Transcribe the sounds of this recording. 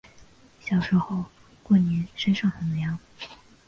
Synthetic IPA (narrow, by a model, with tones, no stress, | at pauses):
ɕjɑ˨˩ʊʂɻ̩˧˥xo˥˩ʊ | kwɔ˥˩njɛ˧˥nʂə˥nʂɑ˥˩ŋxə˨˩njɑ˧˥ŋ